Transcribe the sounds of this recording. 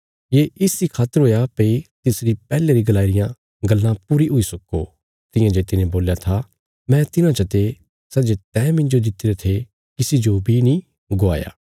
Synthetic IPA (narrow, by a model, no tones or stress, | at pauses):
jeːɪsdikʰaːt̪əɾɦoːjapɐit̪ɪsɾipɛːleɾiɡɐlaːiɾɪjã | ɡɐlːãpuːɾiɦʊisɐko̰ | t̪ɪ̃jãd͡ʒet̪ɪnẽboːljat̪ʰa | mɛ̃t̪ɪnãt͡ʃɐt̪e | sɐd͡ʒet̪ɛ̃ːmɪ̃nd͡ʒod̪ɪt̪ːeɾet̪ʰe | kɪsid͡ʒobʱinĩ | ɡoa̰ːja̰ː